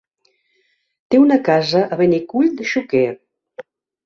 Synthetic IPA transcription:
t̪eunəkazəʔəβənikuʎd̪əʃuke

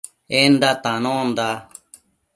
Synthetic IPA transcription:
end̪at̪anõːnd̪a

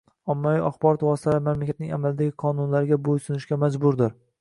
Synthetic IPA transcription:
ɒmːaviʔaχbɒɾɒt̪vɒsɪ̥t̪ʰavamamlakʲʰat̪nɪŋʔa̰malɪd̪aɡʲɪqʰɒnʊnlaɾɪɡʲabojsʊnɪʃkʲamad͡ʒbʊɾd̪ɪɾ

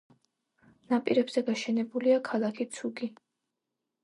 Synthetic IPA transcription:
napʼiɾɛbz̥ɛɡaʃɛnɛbuliakʰalˠakʰit̪sʰuɡi

